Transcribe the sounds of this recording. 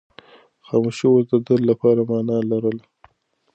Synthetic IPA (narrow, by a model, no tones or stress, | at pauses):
xɑmuʃiwosd̪əd̪əlːapɑɾamɑnɑlaɾəl